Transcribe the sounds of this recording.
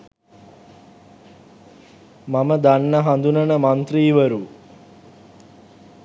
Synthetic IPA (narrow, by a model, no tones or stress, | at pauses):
maməd̪anːəɦand̪unənəmant̪riːʋəɾu